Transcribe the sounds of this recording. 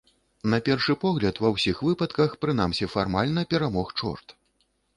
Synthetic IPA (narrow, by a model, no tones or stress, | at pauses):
nɐpʲɛrʂɨpɔɣlʲɐt̪vɐwsʲixvɨpɐt̪kɐxpɾɨn̪amsʲifarmalʲn̪ɐpʲɛɾamɔxt͡ʂɔ̰rt̪